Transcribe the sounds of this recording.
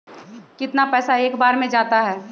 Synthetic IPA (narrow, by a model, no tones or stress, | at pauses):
kɪt̪napɛːsaeːkbaːɾmẽd͡ʒaːt̪aɦɛː